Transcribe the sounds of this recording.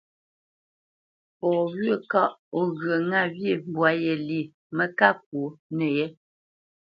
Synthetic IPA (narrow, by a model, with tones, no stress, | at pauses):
pɔ˨wɥə˦˨ka˦˨ʔo˦ɣɰə˨ŋa˦˨vje˦˨m̩˨bwa˨˦jɛ˨li˨ | mə˦ka˦k̚wo˨˦nə˨jɛ˦